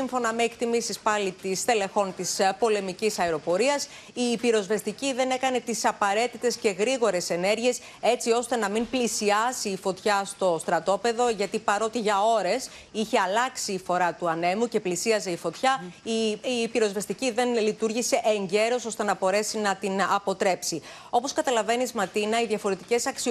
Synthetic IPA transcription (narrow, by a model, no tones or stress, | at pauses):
iɱfo̞nɐme̞ːkt̪imisispɐlit̪ist̪e̞le̞xo̞nt̪ispo̞le̞micisɐeɾo̞po̞ɾiɐs | iːpiɾo̞zve̞st̪iciðe̞ne̞kɐne̞t̪isɐpɐɾe̞t̪it̪e̞sce̞ɣɾiɣo̞ɾe̞se̞ne̞ɾʝie̞s | e̞t͡sio̞st̪e̞nɐmimplisiɐsiːfo̞t̪çɐst̪o̞st̪ɾɐt̪o̞pe̞ðo̞ʝɐt̪ipɐɾo̞t̪iʝɐo̞ɾe̞s | içe̞ɐlɐksiːfo̞ɾɐt̪uɐne̞muce̞plisiɐze̞ifo̞t̪çɐː | piɾo̞zvest̪iciðe̞nlit̪uɾʝise̞ʔeɲɟe̞ɾo̞so̞st̪e̞nɐbo̞ɾe̞sinɐt̪inɐpo̞t̪ɾe̞psi | o̞po̞skɐt̪ɐlɐve̞nizmɐt̪inɐiðʝɐfo̞ɾe̞t̪ice̞sɐksi